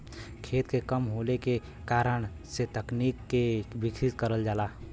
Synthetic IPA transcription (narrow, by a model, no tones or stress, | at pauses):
kʰeːt̪kekəmɦoːleke | kaːɾəɳ̃ | set̪əkniːkːebɪkʰɾɪt̪kəɾəld͡ʒaːlaː